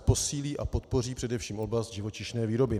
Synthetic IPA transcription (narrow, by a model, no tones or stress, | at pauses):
po̞siːliːʔapo̞t̪̚po̞riːpr̥ɛdɛfʃiːmʔo̞blasd̪̚ʒɪvo̞t͡ʃɪʃnɛːviːɾo̞bɪ